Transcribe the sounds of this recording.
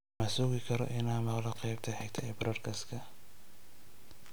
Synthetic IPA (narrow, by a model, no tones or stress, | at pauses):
mɐsʊɣɪkʰɐɾɔ̰ʔɪnaːmɐqlɐqɑjb̚t̪ʰɐħɛɡt̪ʰɐɛbɾɐrkʰɐskʰɐ